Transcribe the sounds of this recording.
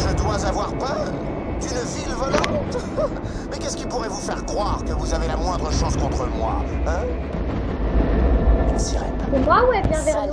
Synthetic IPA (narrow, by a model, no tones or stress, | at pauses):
ʒəd̪wazavwaʁpœʁ | d̪ynvilvɔlɑ̃t̪ | mɛkʲɛskipuʁɛvufɛʁkχwaʁkəvuzavelamwɛ̃d̪ʁəʃɔ̃skɔ̃t̪χəmwã̰ | siʁɛ̰ | umwawɛbjɛ̃b̪ɛ